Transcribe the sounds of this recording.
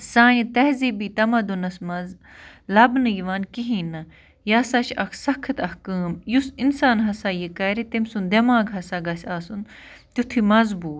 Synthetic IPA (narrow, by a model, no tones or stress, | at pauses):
saːnit̪ɐɦzibiːt̪ɐmɐd̪unɐsmɐz | lɐbnɨjiʋaːnkiɦĩːnɐ | jaːsat͡ʃʰɐkʰsɐkʰɐt̪ɐhkaːmjusinsaːnɦɐsaːjikɐɾit̪emʲsund̪ɐmaːɡɦɐsaɡɐsʲaːsun | t̪ut̪ʰimɐzbuː